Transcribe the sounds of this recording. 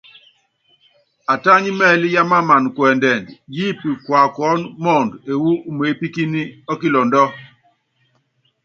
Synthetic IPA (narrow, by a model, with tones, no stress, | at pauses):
a˨ta˦ɲi˦mɛ˦˨li˦ja˦ma˦ma˨nkwɛ˨ndɛ˨ndji˦pi˨kwa˨kɔ˦nmɔ˦˨nde˨wu˦me˨˦pi˦ki˦ni˦ɔ˦ki˦lɔ˨ndɔ˦